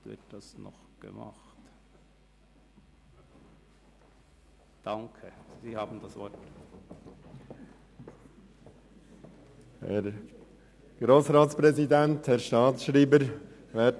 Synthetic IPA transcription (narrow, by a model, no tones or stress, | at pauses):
tvɪ̰t̚d̥ɑsnɔ̰χ | ɡ̥ə̰mɑ̰χt | d̥ɑŋkʰəz̥iːhɑːbn̩dɑsvɔt | hɛ̰ɾ | ɡ̥ɾoːsʁaːtspʁɛzidɛnthɛɾʃtɑːt͡sʃɾiːbəɾ | vɛt